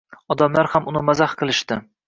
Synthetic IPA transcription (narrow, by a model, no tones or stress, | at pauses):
ɒd̪amlaɾhamʔʊnɪmazahqʰɨlˠɪʃt̪ɪ